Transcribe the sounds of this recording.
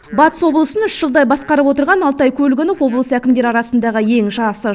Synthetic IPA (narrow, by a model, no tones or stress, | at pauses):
bɑt̪ə̥swo̞blˠəsənʏʃʒ̥əlˠd̪ɑjbɑsqɑɾəpwo̞t̪əɾʁɑnɑlˠt̪ɑjkʲʰɵlɡʲɪnofwo̞blˠəsækʲɪmd̪e̞ɾɑɾɑsənd̪ɑʁəje̞ŋʒɑsə